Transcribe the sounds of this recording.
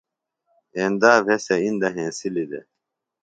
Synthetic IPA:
eːnd̪aːvʱeseind̪ɐɦẽːsilid̪ḛ

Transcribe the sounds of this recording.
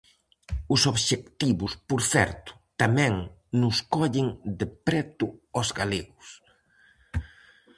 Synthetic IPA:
ʊsoβʃekt̪iβʊspoɾθɛɾt̪ʊ̥t̪amɛ̃ŋ | nʊskɔʎɪŋd̪ɪpɾɛt̪ʊɔzɡaleɣʊs

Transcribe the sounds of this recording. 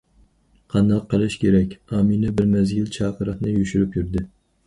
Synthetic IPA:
qʰɑnd̪ɑqʰːəlˠɪʃkʲʰeɾɛkʲɑminɪbɪɾmɛzɡʲilt͡ʃʰɑːqʰɨɾɨt̪nɪjuʃyɾɪpjyɾd̪ɪ

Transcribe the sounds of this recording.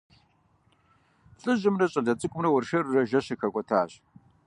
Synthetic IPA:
ɬʼɨʑɪmrɐɕʼɐɮɐt͡sʼɨkʷʼʊmrɐwʊrʃɐrrɐʒɐɕɐxɐkʷʼɔtʰa̰ːɕ

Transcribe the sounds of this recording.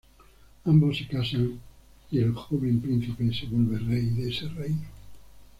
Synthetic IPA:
ambosːekasaŋ | ielxoβ̞empɾin̟θipeseβolβerejðeserejno

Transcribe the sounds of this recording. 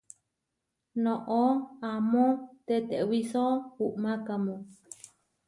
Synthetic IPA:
nõʔoamõt̪et̪eʔwisouʔmakamõ

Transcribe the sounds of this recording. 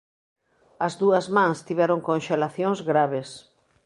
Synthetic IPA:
ɐzðuɐzmãŋst̪iβɛɾoŋkõnʃelaθjõŋzɣɾaβes

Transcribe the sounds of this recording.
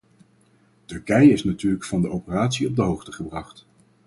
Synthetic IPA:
tɵɹkɛjəɪsnatyːɹləkfɑndəowpəraːtsiɔb̚dəɦowχtəχəbrɑχt

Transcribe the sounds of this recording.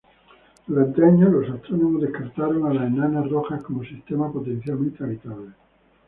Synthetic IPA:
led̪eɲolosat̪ɾonomozðehkaɾt̪aɾoŋalaenanaroxakomosist̪emapot̪en̟θjalmẽnt̪eaβit̪aβle

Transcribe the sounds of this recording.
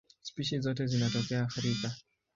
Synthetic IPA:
spiʃizɔt̬ɛzinatɔkɛaːxiɾika

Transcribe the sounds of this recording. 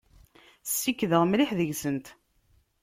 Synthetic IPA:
sːikːðəʁmliħðəʝsənt̪

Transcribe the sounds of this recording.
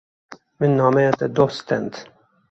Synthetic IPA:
mɪnːɐmɛːt̪ɛd̪ɔst̪ɛnt̪

